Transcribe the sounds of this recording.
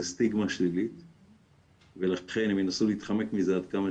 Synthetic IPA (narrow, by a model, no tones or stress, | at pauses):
st̪iɡmaʃlilit̪ | velaχe̞nhemjenasuliiːt̪χamekmizead̪̚kama